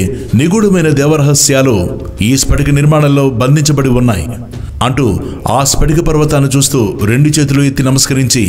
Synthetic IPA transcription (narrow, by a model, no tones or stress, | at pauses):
niɡuɽɐmɐjnɐd̪ɛːʋɐɾɐɦɐsjaːlu | iːspɐʈikɐniɾmaːɳɐlːo̞ːbɐnd̪ʱiɲt͡ʃɐbɐɽiunːaːjḭ | ɐɳʈuː | a̰ːspɐʈikɐpɐɾʋɐt̪aːnːut͡ʃuːst̪uːɾeɳɖut͡ʃe̞ːt̪̬uluet̪ːinɐmɐskɐɾiɲt͡ʃi